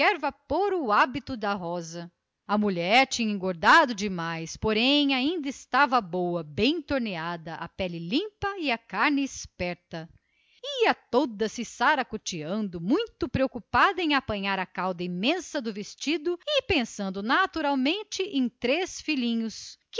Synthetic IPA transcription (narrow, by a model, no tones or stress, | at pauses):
ɛɾvapoɾʊabit̪ʊd̪ɐɦɔzɐ | ɐmuʎɛɾt͡ʃĩɲɐẽɡoɾd̪ad̪ʊd͡ʒɪmajspoɾẽj̃aĩnd̪ɐɪst̪avɐbowɐbẽj̃t̪oɾnead̪ɐʔɐ̰pɛlɪlĩmpɐiɐkaɾnɪːspɛɾt̪ɐ | iɐt̪od̪ɐsɪsaɾɐkot͡ʃiɐ̃nd̪ʊmũj̃t̪ʊpɾeokupad̪ɐẽj̃apɐ̃ɲaɾɐkawd̪ɐimẽsɐd̪ʊvest͡ʃid̪ʊɪpẽsɐ̃nd̪ʊnat̪uɾawmẽnt͡ʃɪʔẽj̃t̪ɾesfilĩɲʊsk